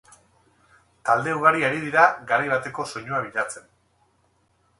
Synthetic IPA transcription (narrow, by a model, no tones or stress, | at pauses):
t̪ald̪e̞uɣaɾiaɾið̞iɾaɡaɾajβat̪e̞ko̞so̞ɲoaβiʎat͡se̞n